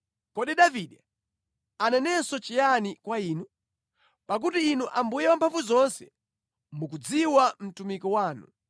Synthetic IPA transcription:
kɔɗiɗaviɗɛ | anɛnɛsɔt͡ʃijanikwaiːnu | pak̬utiːnuʔambujɛwampʰaɱvuzɔnsɛ | mukud͡ziwam̩tumikɔwaːnṵ

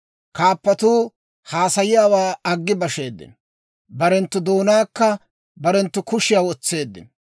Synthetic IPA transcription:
kaːpːɐt̪uː | haːsɐjɪjaːwaːɐɡːɪbɐʃe̞ːd̪ːɪ̰n | bɐɾɛnt̪ːʊd̪o̞ːnaːkːɐ | bɐɾɛnt̪ːʊkʊʃɪjaːwɔt͡sːe̞ːd̪ːɪ̰n

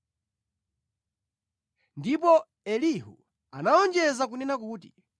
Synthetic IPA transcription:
ndipɔ | ɛlihṵ | anaɔnd͡ʒɛzak̬unɛnakuːtḭ

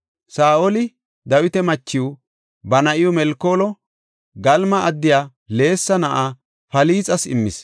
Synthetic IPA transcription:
saːʔɔlɪ | d̪ɐwɪt̪ɛmɐt͡ʃːɪʊ | bɐnɐʔɪjɔmɛlkːoːlɔ | ɡɐlmɐɐd̪ːɪjaː | le̞ːsːɐnɐʔaː | fɐliːt͡sʼɐsɪ̰mːɪ̰s

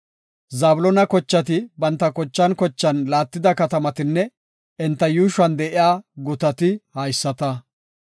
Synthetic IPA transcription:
zaːbʊlɔnɐkɔt͡ʃːɐt̪̬ɪbɐnt̪ːɐkɔt͡ʃːɐnkɔt͡ʃːɐnlaːt̪ːɪd̪ɐkɐt̪ɐmɐt̪ɪnːɛ | ɛnt̪ːɐjuːʃɐnd̪ɛʔɪjaːɡʊt̪ɐt̪ɪhɐjsːɐt̪ɐ

